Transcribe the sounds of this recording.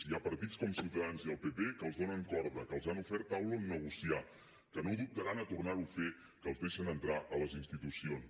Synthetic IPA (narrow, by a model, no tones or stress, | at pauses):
iapəɾt̪it͡skɔmsiwt̪əðanziəlˠpepekəlˠzðonəŋkɔɾðəkəlˠzanufɛɾt̪awləmnəɣ̞usia | kənoðup̚t̪əɾanət̪urnaɾufe | kəːlzðeʃənənt̪ɾaʔələzinst̪it̪usions